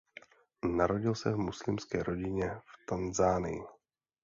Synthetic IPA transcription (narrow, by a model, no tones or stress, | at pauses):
naɾo̞ɟɪlsɛvmuslɪmskɛːɾʔo̞ɟɪɲɛft̪anzaːnɪ̰jɪ